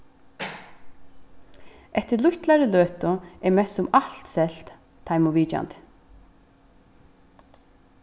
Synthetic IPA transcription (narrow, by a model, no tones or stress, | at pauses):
ɛht̪əɾlʊçt̪laɾəløːt̪ʊɛɾmɛsʊmal̥t̪sɛl̥t̪ʰː | ajmʊʋiːt͡ʃa̰nt̪